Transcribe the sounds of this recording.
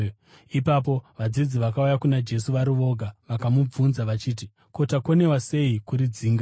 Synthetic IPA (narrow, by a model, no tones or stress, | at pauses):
ipap̬o̞ʋad͡zid͡ziʋakaujakunad͡ʒe̞suʋaɾiʋo̞ɡʱaʋakamub͡vunzaʋat͡ʃiːt̬i | ko̞tako̞ne̞wase̞ikuɾid͡ziːŋɡa